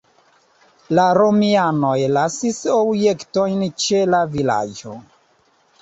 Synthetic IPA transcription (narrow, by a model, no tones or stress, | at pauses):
laɾo̞miano̞jlasiso̞bje̞kto̞jnt͡ʃe̞lavila̰d͡ʒo̞